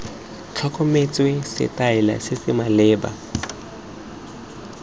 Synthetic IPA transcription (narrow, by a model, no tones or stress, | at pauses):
t͡ɬʰakʼomet͡sʼwesɪ̰tʼaɪla̰sɪsɪmalɛːba̰